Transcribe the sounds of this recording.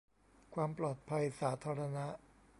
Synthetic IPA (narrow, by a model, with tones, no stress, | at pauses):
kʰwaː˧mplɔː˨˩t̪̚pʰa˧jsaː˩˦t̪ʰaː˧ɾa˧na˦˥ʔ